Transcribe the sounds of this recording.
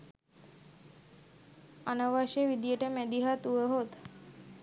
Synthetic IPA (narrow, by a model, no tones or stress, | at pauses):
anəʋaʃeʋid̪ijəʈəmæd̪iɦat̪uʋəɦot̪